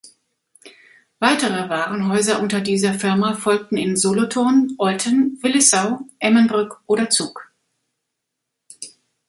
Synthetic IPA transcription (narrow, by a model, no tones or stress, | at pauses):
v̥aɪtəʁəvaːʁənɦɔʏzɐʔʊntɐdiːzɐfɪɐmafɔlk̚tn̩ɪnzolotʰoːnʔɔltʰənvɪlɪsaʊʔɛmənbʁʏkʔoːdɐt͡suːk